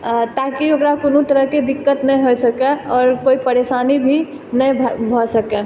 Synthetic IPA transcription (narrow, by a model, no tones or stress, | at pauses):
t̪aːkiokɾakonõt̪əɾəɦked̪ɪkːət̪nɛj̃ɦosəkɛɔːɾkoːipəɾesaːnibʱi | nəjʱbʱɔsəkɛ